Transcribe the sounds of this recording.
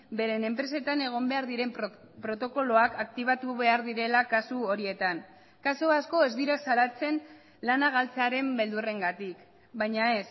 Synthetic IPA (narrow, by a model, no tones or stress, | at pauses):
be̞ɾe̞ne̞mpɾe̞se̞t̪ane̞ɣ̞o̞mbe̞aɾðiɾe̞m | pɾo̞t̪o̞ko̞lo̞akak̚t̪iβ̞at̪uβe̞aɾðiɾe̞lakasuoɾie̞t̪an | kasuasko̞e̞zðiɾasalat͡se̞n | lanaɣ̞alt͡seaɾe̞mbe̞ld̪ure̞ŋɡat̪ik | bajɲae̞s